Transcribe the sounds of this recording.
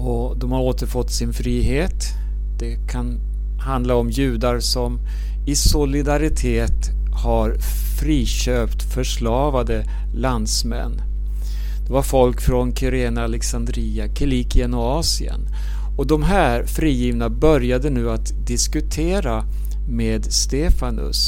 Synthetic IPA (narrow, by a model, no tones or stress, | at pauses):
ɔ | d̪ɔmhaɾoːt̪əɾfɔt̪ːsɪnfɾiːɦeːt̪ | d̪̥ɛkʰan | hand̪laɔmjʉ̟ːd̪aɾsɔm | ɪsʊlɪd̪aɾɪt̪ʰeːt̪ | haɾ | fɾiːɕøːpt̪fœʂlɑːvad̪ə | land̪smɛ̰nː | d̪̥ɛvaɾfɔlkfɾɔnkʰʏɾeːnaːlɛksand̪ɾiːakʰɛliːkʰɪənɔɑːsɪə̰n | ɔd̪ɔmɦæːɾfɾiːjiːvnabœɾjad̪ənʉ̟ːat̪ | d̪ɪskɵt̪ʰeːɾa | meːd̪st̪eːfanɵ̰s